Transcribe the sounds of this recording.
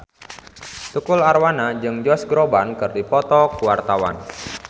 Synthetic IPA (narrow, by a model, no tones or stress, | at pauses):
t̪ukʊlarwanad͡ʒɨŋd͡ʒɔsɡɾobankɨrdipɔt̪ɔkuwart̪awa̰n